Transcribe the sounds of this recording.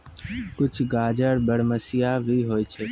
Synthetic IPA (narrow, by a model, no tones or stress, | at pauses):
kʊt͡ʃʰɡaːd͡ʒəɽbəɽməsɪjabʱiːɦoːit͡ʃʰeː